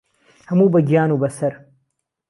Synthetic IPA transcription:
hɐmuːbɐɡjaːnubɐsɐɾ

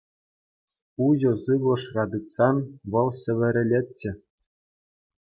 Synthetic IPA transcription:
uʑɤ̆sɯʋlˠɤ̆ʂrɑd̪ɯksɑnʋɤ̆lˠɕʲɘ̆ʋʲɘ̆ɾʲɘ̆lʲetʲt͡ɕːɘ̆

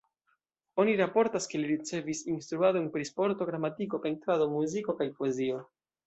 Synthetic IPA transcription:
o̞niɾapo̞ɾtaske̞liɾit͡se̞visinst̪ɾuadonpɾispo̞ɾto̞ɡɾamatiko̞pe̞ntɾado̞muziko̞kajpoe̞zio̞

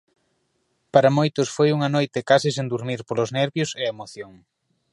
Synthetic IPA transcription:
paɾɐmojt̪ʊsfojuŋɐnojt̪ɪkasisend̪uɾmiɾpolʊznɛɾβjoseɐemoθjoŋ

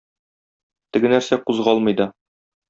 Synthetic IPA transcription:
t̪ɘ̆ɡɘ̆næɾsæquzʁɒlˠmɤ̆jd̪ɑ

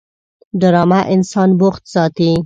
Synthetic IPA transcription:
ɖəɾɑmaʔɪnsɑnboxt̪sɑt̪i

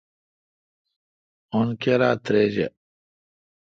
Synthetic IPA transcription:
onkeɾa̰ːt̪ɾed͡ʑḛ

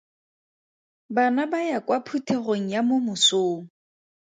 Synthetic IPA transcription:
banabajakwapʰutʰeroŋ̩jamomʊsoːŋ̩

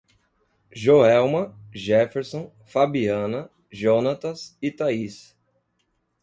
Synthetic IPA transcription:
ʒoɛwmɐ̃ʒɛfeɾsõ | fabiɐ̃nɐ | ʒonat̪ɐsit̪ais

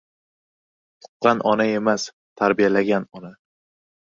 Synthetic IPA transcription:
t̪ʰʊ̥qːɑnʔɒnae̞mas | t̪ʰaɾbijalaɡʲanɒna

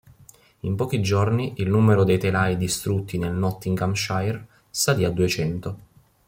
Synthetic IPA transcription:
impɔːk̟id͡ʒorniʔilnuːmeɾod̪ejt̪elajd̪ist̪ɾut̪ːinelnɔt̪ːiŋkamʃajr | sad̪iad̪ːuet͡ʃɛnt̪o

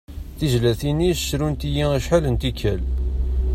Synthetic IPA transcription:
θiʒlæθinisʃɾunt̪ijiæʃħalənt̪ikːæl

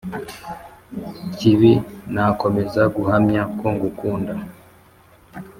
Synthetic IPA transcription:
ciβinakomezaɡuhamɲakwuːŋɡukuːnda

